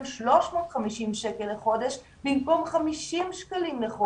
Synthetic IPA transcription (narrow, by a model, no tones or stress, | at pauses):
nʃloʃmoːt̪χamiʃimʃɛkələχod̪əʃ | binkomχamiʃimʃkəlimləχo